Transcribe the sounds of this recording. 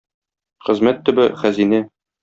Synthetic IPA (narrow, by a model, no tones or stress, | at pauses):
χɘ̆zmæt̪ːɵ̆bɘχæzinɘ